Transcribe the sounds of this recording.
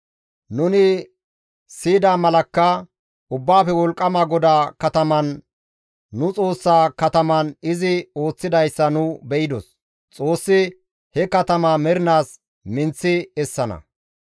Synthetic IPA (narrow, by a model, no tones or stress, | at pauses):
nʊnɪ | siːd̪aːmɐlɐkːɐ | ʊbːaːfɛwɔlkʼːɐmaːɡɔd̪aːkɐt̪ɐmɐnː | ʊt͡sʼo̞ːsːaːkɐt̪ɐmɐnɪzɪo̞ːt͡sːɪd̪ɐjsːɐnʊbɛʔɪd̪ɔs | t͡sʼo̞ːsːɪ | hɛkɐt̪ɐmaːmɛɾɪnaːs | mɪnt͡sːɪɛsːɐnɐ̰